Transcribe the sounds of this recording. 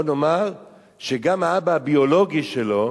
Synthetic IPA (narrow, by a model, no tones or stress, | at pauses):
nomaʁ | ʃeɡamaabaːbiolo̞ɡiʃelo̞